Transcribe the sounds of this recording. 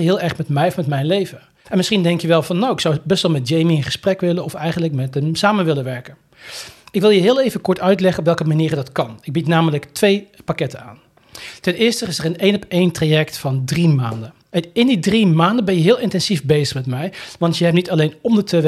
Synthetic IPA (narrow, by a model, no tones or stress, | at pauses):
ɦɪːlˠɛɹχmɛtmɛjɔfmɛtmɛjnlejvə | ʔɛnmɪsχindɛŋkjəʋɛlˠvɑnːowɪksawbɛstʋɛlˠmɛt̚d͡ʒejmiənχəsprɛkʋɪlənɔfɛjχəndləkmɛtəmsaːmənʋɪlənʋɛɹkən | ɪkʋɪlˠjəɦɪːlˠejvənkɔɹtœɥtlɛχənɔp̬ʋɛlˠkəmaniːɾədɑtkɑnɪɡ̚bitnaːmələktʋejpakɛtəna̰ːn | tɛnɪːɹstəɪsərənejnɔpejntrajɛktfɑndrimaːndə | ɪndidrimaːndəbɛnjəɦɪːlˠɪntɛnz̥ifbejzəχmɛtmɛjʋɑntjəɦɛp̚nitɑlejnɔmdətʰəʋ